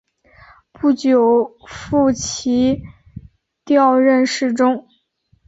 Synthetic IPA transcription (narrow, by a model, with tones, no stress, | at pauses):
pu˥˩t͡ɕjo˨˩ʊfu˥˩t͡ɕʰi˧˥ | t̪jɑ˥˧ʊɻə˥˧nʂɻ̩˥˩ʈ͡ʂʊ˥ŋ